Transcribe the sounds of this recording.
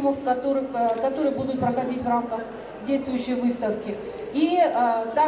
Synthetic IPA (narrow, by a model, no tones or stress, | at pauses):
məfkɐt̪oɾɨkɐt̪o̞ɾɨjəbud̪ʊt̪̚pɾəxɐdʲitʲvramkəx | dʲejst̪vʊjʉɕːɪjvɨst̪əfkʲɪ | iəd̪a